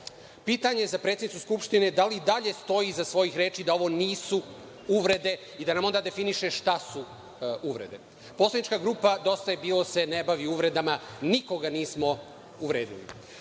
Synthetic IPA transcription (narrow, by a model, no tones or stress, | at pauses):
piːt̪aɲe̞zapɾet̪sed̪it̪uskupʃt̪ine̞d̪alid̪aʎe̞st̪o̞jizasʋo̞jixɾeːt͡ʃid̪ao̞ʋo̞niːsu | uʋɾe̞d̪e̞ | id̪anamond̪aːd̪e̞finiʃe̞ʃt̪asu | uʋɾe̞̰d̪e̞ | poslˠad̪nit͡ʃkaɡɾuːpad̪o̞st̪ajebiːlose̞nebaʋiuʋɾe̞d̪amaniko̞ɡaniːsmo̞ | uʋɾeːd̪ḭlḭ